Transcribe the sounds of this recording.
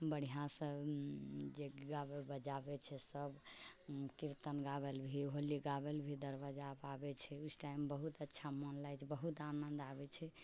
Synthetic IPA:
bəɽ̤ijãsə̃ | d͡ʒeɡabebəd͡ʒabɛt͡ʃʰɛsəb | kiɾt̪ənɡabelbʱiɦoliɡabelbʱid̪əɾbad͡ʒapabɛt͡ʃʰɛusʈaimbəɦut̪ətːʃʰamɔnlajt͡ʃʰbəɦut̪anənd̪abɛt͡ʃʰɛ

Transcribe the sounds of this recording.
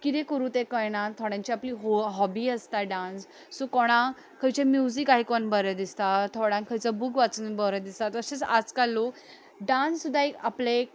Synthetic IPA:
kit̪ekəɾũt̪ekəjɳãt̪ʰɔɽãɲt͡ɕiapliːɦɦɔbiːəst̪aɖãnsː | ukɔɽ̃ã | kʰəjt͡ɕemjuzikaɦikɔnbəɾəd̪ist̪at̪ʰɔɽãŋkʰəjt͡sabukʋat͡sənbəɾəd̪ist̪at̪əset͡sa̰d͡zkalːo | ɖãnssud̪ʱːaekaple

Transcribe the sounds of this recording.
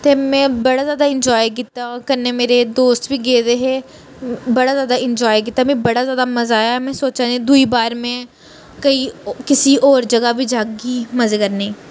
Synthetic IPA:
t̪eːmɛ̃ːbəɽaːzjaːd̪aɪ̃nd͡ʒɔːjk̬ɪt̪ːaːkəɾnemeːɾed̪oːst̪bʱiːɡeːd̪eɦeː | bəɽaːzjaːd̪aɪ̃nd͡ʒɔːjk̬ɪt̪ːamɛ̃bəɽazjaːd̪amɐzaːjaɛmɛ̃ːsoːt͡ʃaed̪uibaːɾmɛ̃ː | kɐiːkɪsiʔɔːɾd͡ʒəɡabʱiːd͡ʒaːɡiːmɐzeːkəɾne

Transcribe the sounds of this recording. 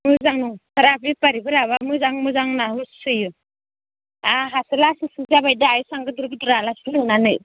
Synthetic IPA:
mɯzaŋnuŋtʰaɾabipaɾibɯɾaβamɯzaŋmɯzaŋnaɦussɯju | aɦasɯlasisɯzabajdaajusaŋɡɯduɾbidɾalaslɯnanɯ̰j

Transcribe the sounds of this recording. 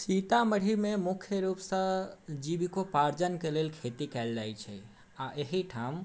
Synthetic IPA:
sit̪aməɽ̤imemukʰjəɾupsə̃d͡ʒibikopaɾd͡ʒənkelelkʰet̪ikɛld͡ʒajt͡ʃʰɛ̰ | aʔeɦiʈʰam

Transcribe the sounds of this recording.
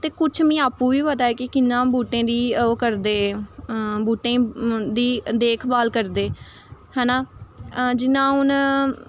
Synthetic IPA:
t̪eːkʊt͡ʃʰmĩːaːpːũːʋiːʋəd̪aːɛːkɪkɪnːãːbuːʈẽːd̪iːoːkəɾd̪eː | buːʈẽːd̪iːd̪eːkʰbaːlkəɾd̪eː | hɛːnaː | d͡ʒɪnãːɦʊn

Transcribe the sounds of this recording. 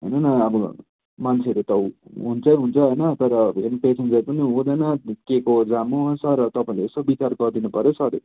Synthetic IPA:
ɦʌjnʌnʌːbʌ | mant͡sʰeɾet̪ʌɦunt͡sʌjɦunt͡sʰʌɦojnʌt̪ʌɾʌenpesend͡zajpʌniɦud̪ʌjnʌkekod͡zamusʌrʌt̪ʌpãĩleesobit͡sarɡʌrd̪inupʌɾjosʌɾ

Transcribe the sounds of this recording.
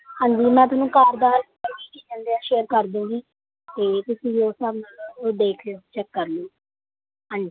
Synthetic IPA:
hãːɲd͡ʒiːmɛ̃ːt̪̬ʊnũːkaːɾd̪aːɾ | əɾʋiːkid͡ʒənd̪eːaːʃeːəɾkəɾd̪ũːŋɡiː | t̪eːt̪ʊsĩːoːsəbnaloːd̪eːk̪ʰot͡ʃəkːəɾlũː | ɦãːɲd͡ʒi

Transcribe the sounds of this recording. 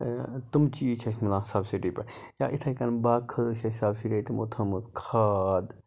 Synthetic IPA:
t̪umt͡ʃiːt͡ʃʰɐsmilãːsɐbsiʈipɐɾja̰ːʔit̪ʰɐkɐnbaːkʰːɐzut͡ʃʰɐɦisaːbsiʈit̪imo̰t̪ʰɐmuzkʰaːd̪

